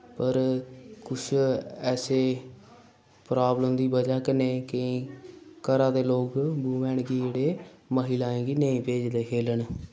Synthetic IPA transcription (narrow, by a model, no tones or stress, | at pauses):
pəɾkʊt͡ʃʰɛːseː | pɾaːbləmd̪iːbəd͡ʒaːkəneːkəĩːkəɾãːd̪eːloːɡbuːmɛ̃ːɳɡiːeːɽeːməɦilaːẽːɡiːnəĩːpeːd͡ʒd̪eːkʰeːləɳ